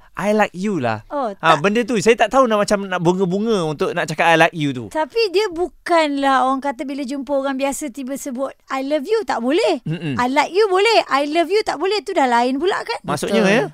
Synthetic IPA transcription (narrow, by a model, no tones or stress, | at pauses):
ʔajlajk̚jula̰hɔaãbəndət̪̬usajət̪aʔt̪aɦunaʔmat͡ʃamnaʔbuŋə̃buŋə̃unt̪ʊʔ̚naʔt͡ʃakat̪ajlajk̚jut̪ṵt̪apidiəbukanlaɦoɾaŋkat̪əbilad͡ʒumpəoɾaŋbiasət̪ibəsəbʊt̪̚ajləfjut̪aʔbolɛh̩ajlajk̚jubolɛhʔajləfjut̪aʔbolɛht̪udahlaɪnpula̰ʔkanmaʔsʊʔɲə̃jə